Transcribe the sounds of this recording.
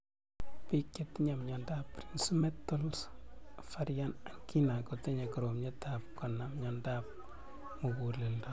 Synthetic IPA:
pikjetiɲamɲɔndapːɾinsumɛtːɔlsfaɾjanaŋkinakoteɲakɔɾomɲɛtapkɔnːamɲɔndap̚ | mukulelda

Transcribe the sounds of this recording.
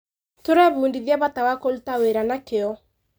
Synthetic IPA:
toɾɛβuːndiðiaβatawakolutaweɾanakeɔ

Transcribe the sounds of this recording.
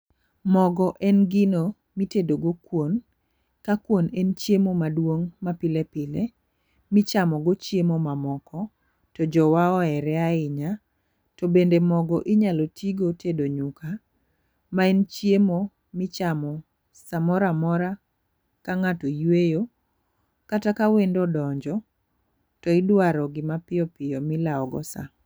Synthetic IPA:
mɔɡɔʔɛnɡɪno | mitedoɡokwon | kakwonɛnt͡ʃjemomadwoŋmapɪlepɪle | mɪt͡ʃamɔɡot͡ʃjemomamɔkɔ | tɔd͡ʒɔwaɔɛɾɛaɪɲa | tobendemɔɡɔʔɪɲalotʰiɡotʰedoɲukʰa | maɛnt͡ʃjemo | mɪt͡ʃamɔ | samɔɾamɔɾa | kaŋatojwejo | katakawendɔdɔɲd͡ʒɔ | tɔɪdwaɾɔɡɪmapɪɔpɪjɔmɪlaɔɡɔ̰sa̰

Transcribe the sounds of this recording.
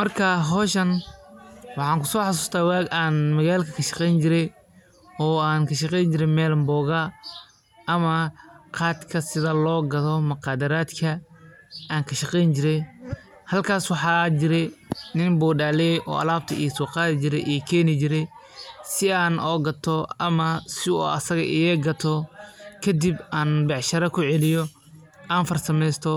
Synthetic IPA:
mɐrkʰɐɦɔːʃɐn | wɑħɑːŋkʰʊ̥sɔːħɑs̬uːst̪ʰaːwaːɡaːnmɐɣaːlkʰɐkʰɐʃɑ̥qɛjnt͡ʃɪɾɛj | ɔːaːŋkʰɐʃɑqɛjɲt͡ʃɪɾɛmɛːlɐmbɔːɣɐ | ɐmɐqɑːt̪kʰɐsɪðɐlɔːɡɐðɔmʊqɑːd̪ɐɾaːd̪kʰɐ | aːŋkʰɐʃɑqɛjnt͡ʃɪɾɛj | hɐlkʰaːswɑħɑːd͡ʒɪɾɛjnɪnbɔːɖaːlɛjʔɔ̰ːɐ̰laːb̚t̪ʰɐḭjsuːqɑːðɪt͡ʃɪɾɛ̰jʔɛːkʰɛːnɪt͡ʃɪɾɛjsɪaːnɔːɡɐt̪ʰɔɐmɐsɪɔ̰ːɐ̰sɐɣɐ̰ʔɪjɛɡɐt̪ʰɔkʰɐd̪ibaːnbɑʕʃɐɾɐkʰʊʕɛlɪjɔ | aːnfɐrsɐmɛjst̪ʰɔ

